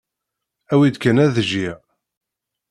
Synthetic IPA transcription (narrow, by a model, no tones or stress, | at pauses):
æwid̪kænæðəʒi